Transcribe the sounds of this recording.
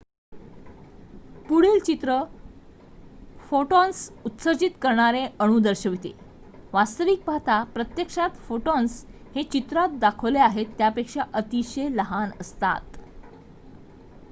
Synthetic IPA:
puɽilt͡ɕit̪ɾə | foʈɔnsut̪səd͡ʑit̪kəɾɳaɾẽəɽ̃ũd̪əɾɕəʋit̪ḛ | ʋast̪əʋiːk̚pat̪apɾət̪jəkʂat̪foʈɔns | het͡ɕit̪ɾat̪̚d̪akʰəʋleaɦet̪ːjapekʂaʔət̪iɕeləɦanə̰st̪a̰t̪

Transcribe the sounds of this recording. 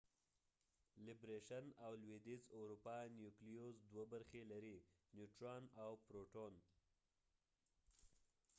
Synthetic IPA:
lɪbɾeʃanawlwed̪izaɾupɑnjuklijozd̪wabaɾxelaɾinjuʈɾɑnawpɾoʈon

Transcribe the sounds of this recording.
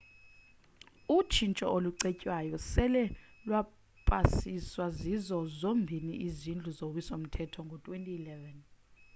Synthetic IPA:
ut͡ʃʰint͡ʃʼɔʔoluǀecʼwajɔsɛlɛlwa | pʼasiswazizɔzombʱiniʔizind͡ɮʱuzok̬wisom̩tʰɛtʰɔŋɡʱɔtʼwentʼiːlɛvɛn

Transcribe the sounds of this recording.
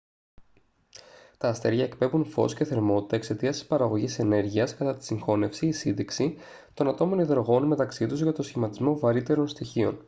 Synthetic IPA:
t̪ɐːst̪e̞ɾʝɐekpe̞vunfo̞̰sce̞θe̞ɾmo̞t̪i̥t̪ɐekse̞t̪iɐsi̥spɐɾɐɣo̞ʝise̞ne̞ɾʝiɐskɐt̪ɐt̪i̥siŋxo̞ne̞fsiːsind̪eksi | t̪o̞nɐt̪o̞mo̞niðɾoɣo̞nme̞t̪ɐksit̪uzʝɐt̪osçimɐt̪izmo̞vɐɾit̪e̞ɾo̞nst̪içio̞̰n

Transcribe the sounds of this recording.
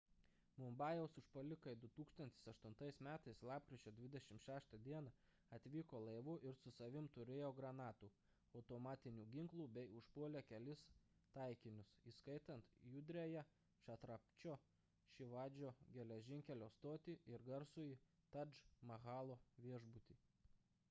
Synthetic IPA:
mʊmbɑːjɛʊsʊʃpɐlʲɪkɐd̪ʊt̪uːkst̪ɐnt̪ʲɪsɐʃt̪ʊnt̪ɐɪsmʲæːt̪ɐɪslˠɑːp̚kɾʲɪt͡ʃʲoːd̪ʲʋʲɪd̪ʲɛʃʲɪmʃʲæːʃt̪ɐd̪ʲiɛnɐ | ɐt̪ʲʋʲiːkoːlˠɐɪʋʊʔɪɾsʊsɐʋʲɪmt̪ʊɾʲeːjoːɡɾɐnɑːt̪uː | ɐʊt̪omɑːt̪ʲɪnʲuːɡʲɪŋklˠuːbʲɛɪʊʃpuɔlʲeːkʲɛlʲɪst̪ɐɪkʲɪnʲʊsiːskɐɪt̪ɐnt̪jʊd̪ʲɾʲejɛ | ʃɐt̪ɾɐpʲt͡ʃʲoː | ʃʲɪʋɑːd͡ʒʲoːɡʲɛlʲɛʒʲɪŋʲkʲɛlʲoːst̪oːt̪ʲiːɪɾɡɐɾsʊji | t̪ɐd͡ʒmɐɣɑːlˠoːʋʲiɛʒbʊt̪ʲiː

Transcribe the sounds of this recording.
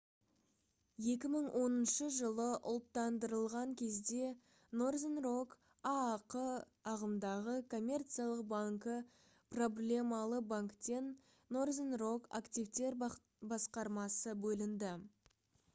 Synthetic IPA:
je̞kʲɪməɴwʔo̞nənʃəʒəlˠəʔʊ̰lˠt̪ːɑnd̪əɾəlˠʁɑŋkʲʰe̞zd̪e̞ | no̞rzenrok | ɑːqə | ɑʁəmd̪ɑʁəkʰo̞mʲːe̞rt̪sijalˠəq̚baŋkə | pro̞blʲe̞mɑlˠəbaŋkt̪e̞nː | o̞rzenro̞ka̰kt̪ijvt̪e̞ɾ | bɑsqɑɾmɑsəbɵlɪnd̪ɪ

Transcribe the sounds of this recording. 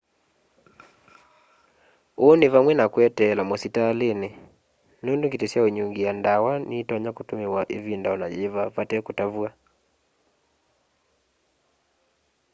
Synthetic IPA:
onivamwɛnakwɛtɛlamɔsitalenɪ | nundukitɛsiauɲuŋɡijandawanʔitɔɲakutumiwaʔivindaɔnajevavatɛkutavua

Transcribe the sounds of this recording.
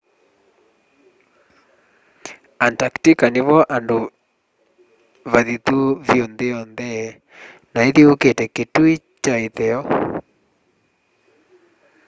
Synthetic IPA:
antaktikaneβɔʔando | βaðit̪uvjondeɔnðɛ | naeðioketɛketui | t͡ʃaeðɛɔ

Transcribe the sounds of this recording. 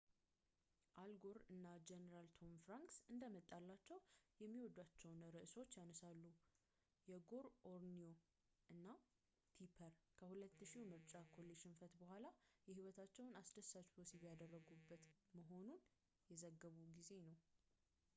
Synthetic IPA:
ʔalɡo̞ɾɨnːad͡ʒɛnəɾalt̪ʰo̞mfɾaŋksɨnd̪əmət̪ʼːalːat͡ʃːɛwjɛmːiwɔd̪at͡ʃːɛwnəɾəʔɨso̞t͡ʃːjanəsalːu | jɛɡo̞ɾʔoɾnio̞ | ʔɨnːa | t̪ʰipʰəɾkʰəhulət̪ːɨʃiwmɨɾt͡ʃʼakʰo̞lːeʃɨnfət̪bəɦʷalajɛhiwɔt̪ʰat͡ʃːɛwnasd̪əsːat͡ʃbosibjad̪ərːəɡubːət̪məɦo̞nun | jɛzəɡːəβuɡize̞nəw

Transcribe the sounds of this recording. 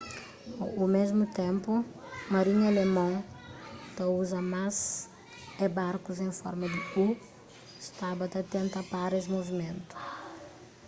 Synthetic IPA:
umezmut̪ẽmpʊ | mɐɾiɲɐlemõ | t̪ɐuzɐmaz | ɛbaɾkuzẽfɔɾmɐd̪ɪu | st̪abɐt̪ɐt̪ẽnt̪ɐpaɾesmovimẽnt̪u̥

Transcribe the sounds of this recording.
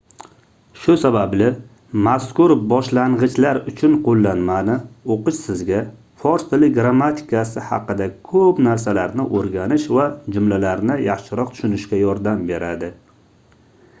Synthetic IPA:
ʃʊsabablɪ | maskʊɾbɒʃlaɴʁɨt͡ʃlaɾʊt͡ʃʰʊnqʰolˠːanmanɪoqɨʃsɪzɡʲa | fɒɾst̪ʰɪlɪɡɾamːat̪ʰɪ̥kasɪhɑ̰qɨd̪akʰɵpnaɾs̬alaɾnɪʔoɾɡʲanɪʃvad͡ʒʊmlalaɾnɪjɑχʃɪɾɒq̚t̪ʰʊ̥ʃʊnɪʃkʲajɒɾd̪ambe̞ɾad̪ɪ

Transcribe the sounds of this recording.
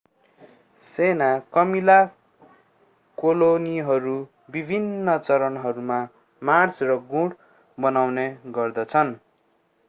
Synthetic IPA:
senakʌmila | koloniɦʌɾu | bibʱinːʌt͡sʌɾʌnɦʌɾuma | mart͡srʌɡũɽ | bʌnawneɡʌrd̪ʌt͡sʰʌn

